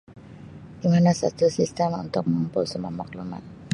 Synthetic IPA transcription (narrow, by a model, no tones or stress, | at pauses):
ʔimanasa̰t̪əsist̪əmṵnt̪ʊk̚mampɔsəmamak̚luma̰n